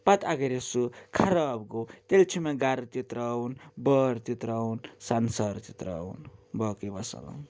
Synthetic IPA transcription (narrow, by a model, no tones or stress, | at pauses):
pat̪aɡeɾesukʰaɾaːbɡot̪elt͡ʃʰimaɡaɾɐt̪it̪ɾawnbʌɾt̪it̪ɾawnsansʌɾt̪it̪ɾa̰wnbʌkibʌsa̰la̰n